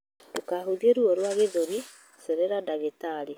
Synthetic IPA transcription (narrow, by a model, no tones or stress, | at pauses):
tokaɦoðieɾuɔɾwaɣeðoɾi | sɛɾɛɾandaɣetaɾi